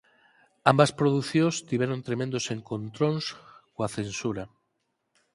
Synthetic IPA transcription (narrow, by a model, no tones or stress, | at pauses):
ambɐspɾoðuθjõst̪iβɛɾont̪ɾemẽnd̪oseŋkont̪ɾonskoaθensuɾɐ